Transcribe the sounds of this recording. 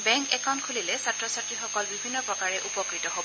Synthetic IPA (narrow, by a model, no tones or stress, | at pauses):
bɛ̃ŋkɛkaw̃ntkʰulilɛsatɹɔsatɹixɔkɔlbibʱinːɔpɹɔkaɹɛʔupɔkɹitɔɦobɔ